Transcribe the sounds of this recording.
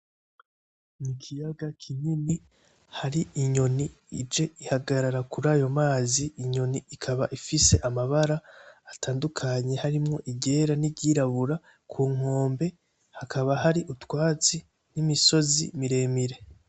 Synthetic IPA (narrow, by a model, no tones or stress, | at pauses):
nikʰijaɡakʰiɲini | haɾiʔiɲo̞ni | id͡ʒe̞ʔihaɡaɾaɾakuɾaːjo̞maːziʔːɲo̞niikʰaβaʔifise̞ʔamaβaɾaːtʰaːndukʰaɲe̞haɾimŋo̞ʔiɟe̞ɾaniɟiɾaβuɾa | kʰuːŋ̥o̞ːmbe̞ | hakʰaβahaɾiʔutwaːt͡si | nimiso̞zḭmiɾe̞ːmiɾe̞